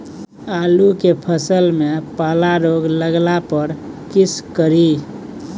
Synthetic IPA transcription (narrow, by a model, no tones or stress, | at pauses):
aːlukepʰəsəlmẽpaːlaɾoːɡləɡlapəɾkɪskəɾi